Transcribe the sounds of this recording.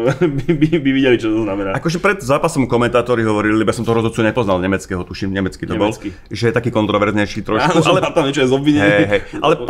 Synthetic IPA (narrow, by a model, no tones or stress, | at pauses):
bibibiʋiɟɛlit͡ʃɔt̪t̪ɔznamɛnaːʔakɔʒɛpɾɛd̪zaːpasɔmkɔmɛnt̪aːt̪ɔɾiɦɔʋɔɾilibɔjasɔmt̪ɔɾɔzɔt͡suɲɛpɔznalɲɛmɛt͡skɛːɦɔt̪uʃimɲɛmɛt͡skit̪ɔbɔlki | ʒɛjɛt̪akiːkɔnt̪ɾɔʋɛɾzɲɛjʃiːt̪ɾɔʃkualɛat̪amɲɛt͡ʃɔjɛzɔbʋiɲɛɦɛɦɛja̰lɛ